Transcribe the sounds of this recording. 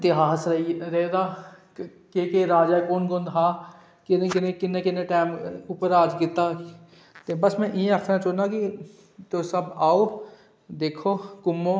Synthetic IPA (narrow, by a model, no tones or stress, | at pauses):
t̪ɪɦaːsɾɐiɾeɦd̪aː | keːkeɾaːd͡ʒaːkoːnɡõnd̪ɦaː | kɪnekɪnekɪnːekɪnːeʈaːmʊpəɾaːd͡ʒkɪt̪aː | t̪ebɐsmɛ̃ʔɪẽɐkɾãt͡ʃoːnaki | t̪oːsɐbaːo | d̪eːkʰoːkʊmːoː